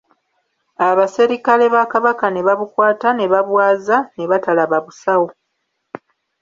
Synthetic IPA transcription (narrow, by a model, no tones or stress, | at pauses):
aβase̞ɾikale̞βakaβakane̞βaβukwaːtane̞βaβwaːzane̞βatalaβaβusawo